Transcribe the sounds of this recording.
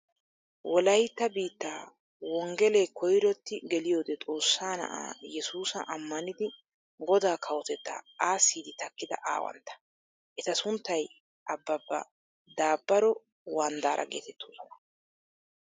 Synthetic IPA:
wʔɔlɐjt̪ːɐbiːt̪ːaː | wɔŋɡɛleːkʰɔjɾɔt̪ːɪɡɛlɪjo̞ːd̪ɛt̪ʼo̞ːsːaːnɐ̰ʔa̰ːjɛsuːsɐʔɐmːɐnɪd̪ɪ | ɡɔd̪aːkʰɐwɔt̪ɛt̪ːɐ̰aːsːiːd̪ɪt̪ɐkːɪd̪ɐ̰ʔa̰ːwɐ̰nt̪ːɐ̥ | ʔɛt̪ɐsʊnt̪ːɐj | ʔɐbːɐbːɐ̰ | d̪aːbːɐɾɔ | waːnd̪aːɾʔɐ̰ɡeːt̪ɛt̪ːoːsɔnɐ

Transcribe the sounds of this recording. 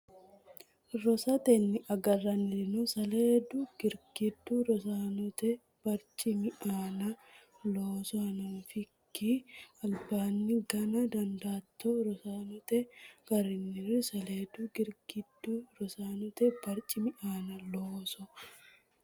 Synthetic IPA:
ɾɔsɐt̪ɛnːɪʔɐɡɐrːɐnɪnʊsɐleːd̪ʊɡ̥ɪɾɡɪd̪ːuɾɔs̬aːnʊt̪ɛ | b̥ɐɾt͡ʃʼɪmɪʔaːnɐ | loːsɔɐnɐfɪkːiɐlbaːnːɪɡɐnɐd̪ɐnd̪aːt̪ːoɾɔsaːnʊt̪ɛɡ̥ɐɾɪnːɪrɪsɐleːd̪ʊɡɪɾɡɪd̪ːuɾɔsaːnʊt̪ɛbɐɾt͡ʃʼɪmɪʔaːnɐloːsɔ

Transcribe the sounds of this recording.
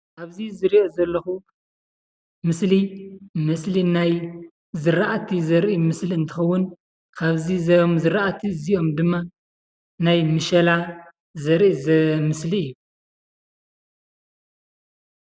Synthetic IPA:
ʔaβzizɨɾiʔozɐlːɐxu | mɨslimɨslinaj | zɨɾaʔat̪ʰizɐɾʔimɨsliɨnt̪ʰɨ̥xɐwːʊn | kʰaβzizmzɨɾʔat̪ʰiziʔo̞md̪ɨmːa | najmɨʃɐla | zɐɾʔizɐmɨsliɨjːu

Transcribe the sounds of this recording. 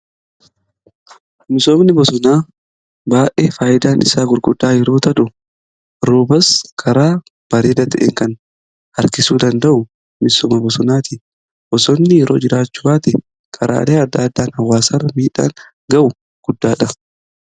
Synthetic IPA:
mɪsoːmnɪbɔsɔnaː | baːʔeːfaːjɪd̪aːnɪ̰saːɡʊɾɡʊd̪ːaːjɛɾoːt̪ɐᶑʊ | ɾoːbɐskʰɐɾaː | b̥ɐɾeːd̪ɐt̪ɐʔḛːŋkɐn | hɐɾkɪsuːd̪ɐnd̪ɐʔʊ | mɪsoːmɐbɔsɔnaːt̪ɪ | b̥ɔsɔmːɪɛɾoːd͡ʒɪɾaːt͡ʃːʊbaːt̪ɪ | kʰɐɾʔa̰ːleːɐd̪ːaːd̪ːaːnhɐwːaːsarːɐmiːᶑa̰ːŋ | ɡɐʔʊ | ɡ̥ʊd̪ːaːᶑɐ

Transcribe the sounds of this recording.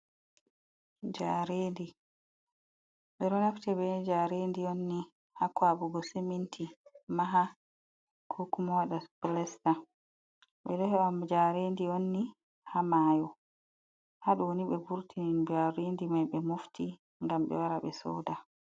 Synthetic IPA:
d͡ʒaɾendi | ɓɛɾɔnaftɛbɛd͡ʒaɾendionːi | hakwaɓuɡɔsemintʰimaɦa | kʰukumɔwaɗablɛsta | ɓɛdɔhɛamd͡ʒaɾendionːi | hamaːjɔ | haɗɔwoniɓɛbuɾtʰinind͡ʒaɾendimajɓɛmofti | ŋɡamɓɛ̰waɾaɓɛ̰sɔ̰da

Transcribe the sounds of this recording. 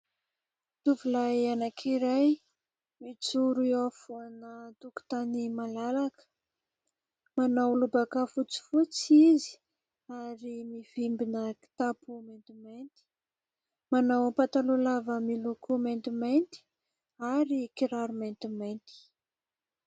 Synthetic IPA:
t̪uvulajanakʰiɾaj | mit͡suɾuiafuanət̪uku̥t̪animalalakə̥ | manawlubakafut͡si̥fut͡sizi̥ | aɾimivimbinəki̥t̪apument̪iment̪i̥ | manawpat̪alulavəmilukument̪iment̪i̥ | aɾikiɾaɾument̪iment̪i̥

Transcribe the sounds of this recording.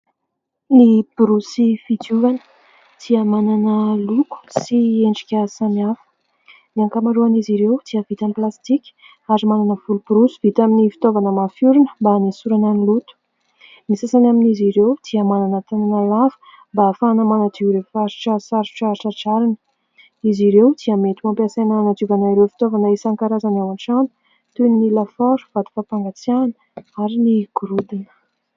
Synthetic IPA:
lib̥ɾusifit̪uvanə̥ | t̪ʰiamananəluku̥sieɳɖ͡ʐikʲəsanafə̥ | d̪iaŋkamaɾuaniziɾewt̪ʰiəvit̪amplast̪ikʲə̥ | aɾimananəv̥ulubɾusi̥v̥it̪aminifi̥t̪ovanəmafuɾunə̥mbanisuɾananilut̪u̥ | nisasanaminiziɾewd̪̥iəmananət̪ananalafə̥ | mbafanəmanat̪ivɾefaɾʈ͡ʂasaɾu̥ʈ͡ʂaɾiʈ͡ʂəʈ͡ʂaɾinə̥ | iziɾewd̪̥iamet̪imampiasenaanat̪ivanaiɾefi̥t̪ovanəesaŋkaɾazanewaɳʈ͡ʂanu̥ | t̪unnilafaɾu̥v̥ad̪i̥fapaŋɡat͡sianə̥aɾiniɡ̥uɾud̪inə̥

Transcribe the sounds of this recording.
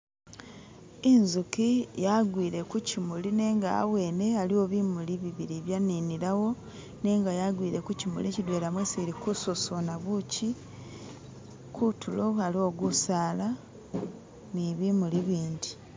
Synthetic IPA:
inzukijaɡwiːɾe̞kucimuline̞ːŋɡa̰ːwe̞ːne̞alio̞βimuliβiβiɾiβjaniniɾawo̞ | ne̞ːŋɡajaɡwiːɾe̞kucimṵlicidwe̞lamweseɾikusosonaβuci | kʰutulo̞alio̞ɡusaːla | niβimuliβiːndi

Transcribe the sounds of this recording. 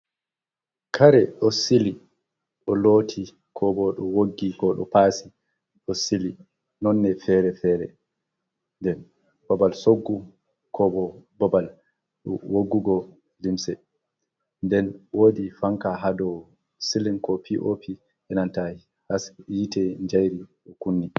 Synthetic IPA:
kʰaɾɛɗɔsili | ɗɔlotʰi | kʰɔbɔɗɔwoɡːikɔɗɔ̰paːsi | ɗɔsili | nɔnːɛfɛɾɛfɛːɾɛ | ndɛn | b̥ɔbalsoɡːu | kʰɔbɔbɔbal | ɗɔwoɡːuɡɔ | limsɛ | ndɛnwoːdifaŋkaɦadɔ | silinkɔpiʔo̰pi | ʔɛnanta | hasjitɛɲd͡ʒajɾiʔɔkunːi

